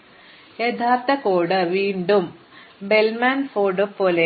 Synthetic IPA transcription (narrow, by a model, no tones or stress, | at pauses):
jet̪ʰaːrt̪ɐkoːɽɨʋiːɳɖum | belmaːnfoːɖɨpːoːle